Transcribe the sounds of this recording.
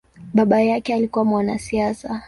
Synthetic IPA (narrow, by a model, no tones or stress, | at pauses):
ɓaɓajakɛalikuwamwanasiasa